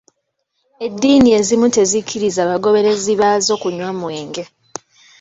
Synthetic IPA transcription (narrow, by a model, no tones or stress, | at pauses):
e̞dːiːnie̞zimute̞zikʰːiɾizaːβaɡo̞βe̞ɾe̞ziβaːzo̞ːkuɲwamwe̞ːŋɡe̞